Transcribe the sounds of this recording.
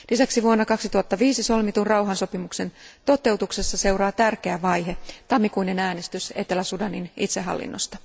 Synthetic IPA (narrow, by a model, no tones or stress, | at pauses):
lisæksiʋuonːɑkɑksit̪uhɑt̪ːɑʋiːsiso̞lmit̪unrɑwɦɑnsopimukse̞nt̪o̞t̪e̞uwt̪ukse̞sːɑse̞uɾɑːt̪ærkeæʋɑjɦe̞t̪ɑmːikuinenæːne̞st̪yse̞t̪elæsudɑninḭt̪seɦɑ̰lːḭnːost̪ɑ̥